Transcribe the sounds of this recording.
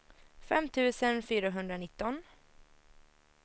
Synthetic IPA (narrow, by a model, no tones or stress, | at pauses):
fɛ̰mt̪ʰʉ̟ːsənfyːɾaɦɵnd̪ɾanɪt̪ːɔn